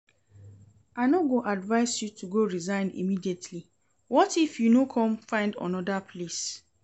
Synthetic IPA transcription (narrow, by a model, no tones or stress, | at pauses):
aɪnoɡoʔadvaɪsjutʰuɡoɹizãɪ̃ndḭmidietʰli | wɔtifjunokʰɔ̃mfãɪ̃ndɔ̰̃nɔdapʰles